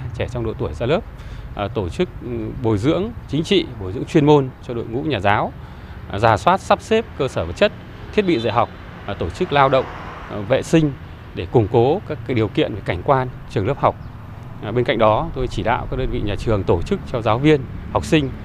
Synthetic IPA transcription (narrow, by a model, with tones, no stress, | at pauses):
t͡ɕɛ˧˩t͡ɕɔ˧wŋ͡mɗo̰˧˨t̪u˧˩əjzaː˧ləː˦˥p̚t̪o˧˩t͡ɕɨ˦˥k̚ɓo˨˩jzɨ̰˧˥əŋt͡ɕï˨˦ŋ̟t͡ɕḭ˧˨ɓo˨˩jzɨ̰˧˥əŋt͡ɕwi˧ənmo˧nt͡ɕɔ˧ɗo̰˧˨jŋṵ˧˥ɲaː˨˩zaː˨˦w | zaː˧˩swaː˦˥t̚sa˦˥p̚se˦˥p̚kəː˧səː˧˩və˨˩t̚t͡ɕə˦˥t̚ | t̪ʰi˦˥ət̚ɓḭ˧˨zə̰˧˨ɦa˨˩wk͡p̚ | t̪o˧˩t͡ɕɨ˦˥k̚laː˧wɗə̰˧˨wŋ͡m | vḛ˧˨sï˧ŋ̟ | ɗe˧˩kʊ˧˩ŋ͡mko˨˦kaː˦˥k̚ːaː˨˦k̚ɗi˨˩əwkḭ˧˨ənve˨˩ka˧˩jŋ̟kwaː˧nt͡ɕɨ˨˩əŋləː˦˥p̚ha˨˩wk͡p̚ | ɓe˧nka̰˧˨ŋ̟ɗɔ˨˦t̪o˧jt͡ɕi˧˩ɗa̰ː˧˨wkaː˦˥k̚ɗəː˧nvḭ˧˨ɲaː˨˩t͡ɕɨ˨˩əŋt̪o˧˩t͡ɕɨ˦˥k̚t͡ɕɔ˧zaː˨˦wvi˧ənha˨˩wk͡p̚sï˧ŋ̟